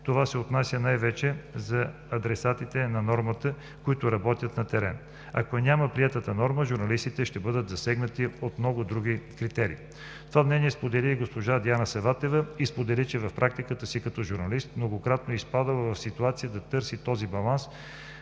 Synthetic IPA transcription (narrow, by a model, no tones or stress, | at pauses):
t̪ovasɛot̪nasʲənajvɛt͡ʃɛzɐː | d̪ɾɛsat̪it̪ɛnɐnɔɾmət̪ə | koit̪ʊɾɐbɔt̪ʲjət̪nɐt̪ɛɾɛ̰n | ɐ̰konʲaməpɾiɛt̪ət̪ənɔɾməʒʊɾnɐlist̪it̪ɛʃt̪ɛbɤd̪ət̪zɐsɛɡnət̪iot̪mnɔɡʊd̪ɾuɡʲikɾit̪ɛɾḭː | t̪ovamnɛnʲiɛspod̪ɛliɡospoʒad̪ianəsɛvat̪ɛvəispod̪ɛlit͡ʃɛvɐfpɾʔak̚t̪ikət̪əsikɐt̪ɔʒuɾnɐlist̪mnoɡokɾat̪noispad̪əlˠvɐfsit̪uat̪sijəd̪ɐt̪ɤɾsit̪ɔzibɐlˠans